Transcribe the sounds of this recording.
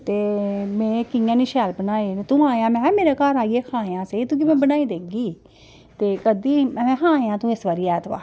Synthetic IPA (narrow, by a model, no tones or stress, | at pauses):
t̪eːmɛ̃ːkɪjãːniʃɛːlpənaːeːt̪ũːaːãːmɛ̃ːmeːɾeːkaːɾaːieːkʰãːeãːset̪ũːk̬ɪmɛ̃ːbənaːiːd̪eːɡiː | t̪eːkəd̪iːmɛ̃ːɦʰãːjãːt̪ũːɪsʋəːɾiːɛːt̪ʋa̰ː